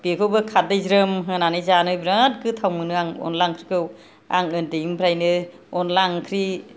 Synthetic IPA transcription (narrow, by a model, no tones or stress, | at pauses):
bekʰɯwbɯkʰat̚dɯjzɾɯmɦɯnanɯjzanɯjbɾat̚kʰɯtʰawmɯnɯaŋɔ̰nlaŋkʰɾikʰɯw | a̰ŋɯndeimbʰɾajnɯ | ɔnlaŋkʰɾi